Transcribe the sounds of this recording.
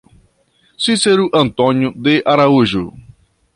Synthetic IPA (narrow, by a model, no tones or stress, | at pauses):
siseɾuʔɐ̃nt̪õɲjʊd̪eʔaɾauʒʊ